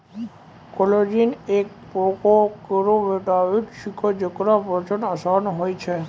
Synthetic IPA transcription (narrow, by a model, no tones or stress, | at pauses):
kolod͡ʒinek̚ | pɾokokəɾoʋeʈaʋiʈʃikʰod͡ʒəkɾapət͡ʃənəsanɦojt͡ʃʰe